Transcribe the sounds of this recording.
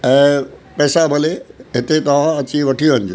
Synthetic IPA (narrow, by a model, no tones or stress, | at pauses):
ɛ̃ːpɐːsabʱɐleɦɪt̪et̪ɐʋ̤ãɐt͡ɕiʋɐʈʰijoɦənɪd͡ʑo̰ː